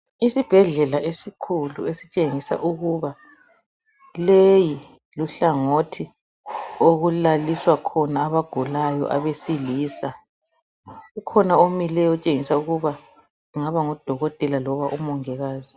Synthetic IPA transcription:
isib̥ʱɛɮɛlaʔesikʰulṵesit͡ʃʼeŋisa̰ʔuɣuβa | leji | luɬaŋotʰi | oɣulaliswakʰɔnaːβaɡ̥ʱulajɔ̰ʔaβesiliːsa | ukʰɔnaomilɛjɔt͡ʃʼeŋisauɣuβa | uŋaβaŋɔd̥ʱɔɣɔtʼɛlalɔβaʔumɔŋɛɣaːzi

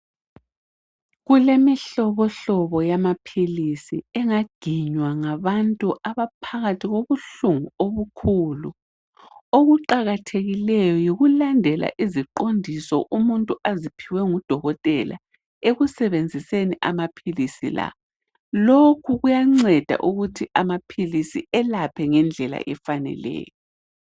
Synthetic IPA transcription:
ɣulemiɬɔβɔɬɔβɔjamapʰilisḭɛŋaɡ̥ʱiɲwaŋaβantʼuʔaβapʰaɣatʰiɣoβuɬuŋuoβukʰulu | oɣuǃaɣatʰeɣilɛjɔjiɣulandʱɛla̰ʔiziǃondʱisɔ̰ʔumuntʼuazipʰiwɛŋud̥ʱɔɣɔtʼɛla̰ | eɣusɛβend͡zʱiseniʔamapʰilisḭla̰ | lokʰuɣujaŋ͡ǀɛd̥ʱa̰ʔuɣutʰiʔamapʰilisiɛlapʰɛŋɛnd͡ɮʱɛla̰ʔɛfanɛ̰lɛ̰ːjɔ

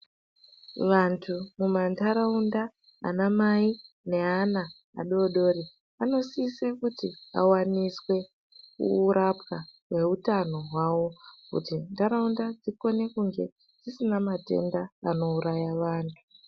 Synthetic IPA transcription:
ʋantʰumumandaɾaunda̰ː | namai | ne̞ana | a̰ɗooɗo̞ːɾi | ano̞siːsekutia̰waniswe̞ | kṵɾʔapka | we̞ɦutano̞ɦwawo̞kṵtindaɾaundad͡ziko̞ne̞kuŋɡe̞ | d͡zisinamate̞̰ndaːno̞uɾajaʋaːntʰu̥

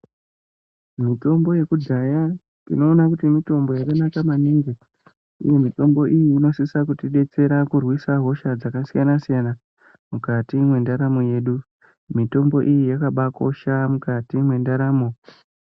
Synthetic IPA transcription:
mito̞mbo̞je̞kudʱaja | ḭno̞ːnakutimito̞mbo̞jakanakamaniːŋɡe | ṵje̞mito̞mbo̞ʔijiːno̞sisakutiɗe̞t͡se̞ɾakurwisaɦo̞ʃad͡zakasijanasijana | mukatimwe̞ndaɾamoje̞ɗu | mito̞mbo̞ʔijijakaɓako̞ʃamukatimwe̞ndaɾaːmo

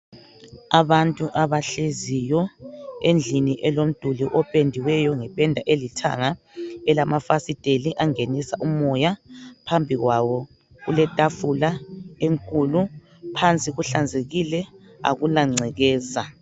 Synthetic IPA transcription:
aβantʼuʔaβaɬezijɔend͡ɮʱiniʔɛlom̩d̥ʱuliʔɔpʼendʱiwɛjɔŋɛpʼɛndʱaʔelitʰa̰ŋa | ɛlamafasid̥ʱeliʔaŋenisaʔumɔjapʰambʱiɣwaβɔ | ɣulɛtʼafulaeŋkʼulu | pʰant͡sʼiɣuɬand͡zʱeɣilɛ | a̰ɣulaŋ͡ǀʱɛɣɛːza

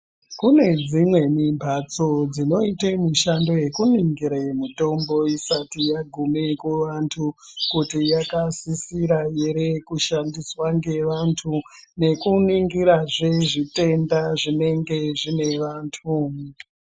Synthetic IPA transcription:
kune̞d͡zimwe̞mimbʱat͡so̞d͡zino̞itemuʃando̞je̞kuniŋɡiɾaemito̞mbo̞isatijaɡʱumekuʋantʰukutijakasisiɾajeɾekuʃandiswaŋɡe̞ʋantʰu | ne̞kuniŋɡiɾaʐeʐite̞ndaʐine̞ŋɡe̞ʐine̞ʋaːntʰu

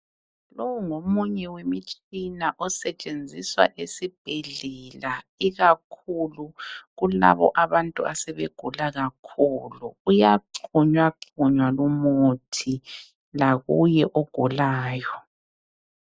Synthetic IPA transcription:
lowuŋomuɲɛwemit͡ʃʼinaʔɔsɛt͡ʃʼend͡zʱiswa̰ʔesib̥ʱɛɮɛlaiɣakʰuluɣula̰βɔ̰ʔaβantʼṵasɛβḛɡ̥ʱulaɣakʰuluujaǃʰuɲwaǃʰuɲwalumotʰi | laɣujɛʔoɡ̥ʱulaːjɔ

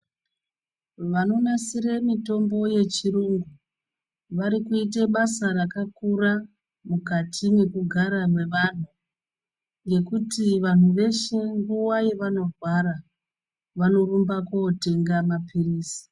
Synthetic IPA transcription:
ʋano̞nasiɾe̞mito̞mbo̞je̞t͡ʃiɾuŋɡu | ʋaɾikuit̬eɓasaɾakakuɾa | mukatʰine̞kuɡʱaɾamwe̞ʋan̤u | ŋɡe̞kutiʋan̤uʋe̞ʃe̞ŋɡuwaje̞ʋano̞rwaɾa | ʋano̞rumbakoːte̞ŋɡamapiriːsi̥

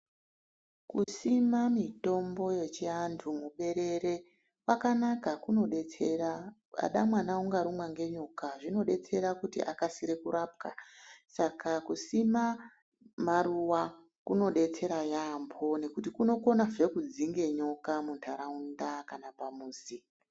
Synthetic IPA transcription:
kusimamito̞mbo̞je̞t͡ʃiantʰumuɓe̞ɾe̞re̞ | wakanakakuno̞ɗet͡sera | a̰ɗamwanauŋɡaɾumwaŋɡe̞ɲokaʐino̞ɗe̞t͡se̞ɾakutḭʔakasiɾe̞kuɾap̚kasakakusima | maɾuwa | kuno̞ɗe̞t͡se̞ɾajambʰo̞ne̞kutikuno̞ko̞nave̞kud͡ziŋɡe̞ɲo̞kamuntʰaɾaundakanapamuːsi

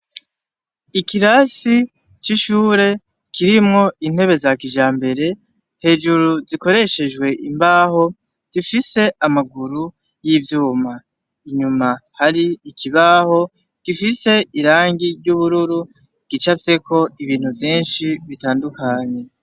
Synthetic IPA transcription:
ikiɾasi | t͡ʃiʃuːɾe̞ | kʰiɾimŋo̞ʔin̥he̞βe̞zakiʒaːmbe̞ɾe̞ | he̞ːʒuɾuziko̞ɾe̞ʃe̞ʒɡwe̞ʔimbaːho̞ | ɡ̥ifise̞ʔamaɡuɾu | jivjuːma | iɲumahaɾiikʰiβaːho̞ | ɡ̥ifise̞iɾaːŋɡiɾɟuβuɾuɾu | ɡ̥it͡ʃafse̞kʰo̞iβiːn̥huvjiːnʃiβitaːndukaɲe̞

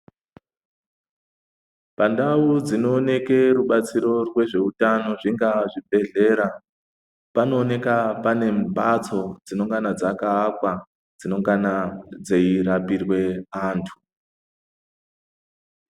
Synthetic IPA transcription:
pandaud͡zino̞ːne̞ke̞ruɓat͡siɾo̞rwe̞ʐe̞utano̞ʐiŋɡaʐibʱe̞ɮe̞ɾa | pano̞ːne̞kapane̞mbat͡so̞d͡zino̞ŋɡanad͡zakaːkwa | d͡zino̞ŋɡanad͡ze̞irapirwe̞aːntʰu̥

